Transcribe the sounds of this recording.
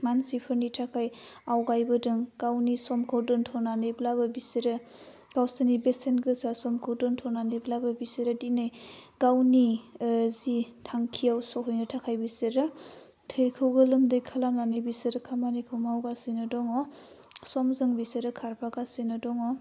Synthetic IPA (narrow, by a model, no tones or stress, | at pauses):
mansipʰɯɾnitʰakʰajawɡajbɯdɯŋɡ̥awnisɔmkʰɯwdɯŋtʰɔwnanejblabɯbiseɾɯ | ɡ̥awsanibesenɡɯsasɔmkʰɯwdɯntʰɔwnaneblabɯbiseɾɯdinɯjɡ̥awnizitʰaŋkʰiawsɔɦɯjnɯtʰakʰajbisɯɾɯ | tʰɯjkʰɯwɡɯlɯmdɯjkʰalamnanɯjbisɯɾɯkʰamanikʰɯwmawɡasinɯdɔŋɔ | sɔmzɯŋbisɯɾɯkʰaɾpʰaɡasinɯdɔŋɔ